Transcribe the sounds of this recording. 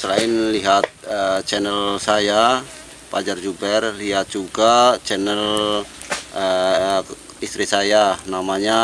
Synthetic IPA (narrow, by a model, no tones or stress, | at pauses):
səlaɪnliɦat̪̚ət͡ʃɛnɛlsaja | pad͡ʒard͡ʒubɛrliɦat̪̚d͡ʒuɡat͡ʃɛnəl | ə | ist̪ɾisajanamaɲa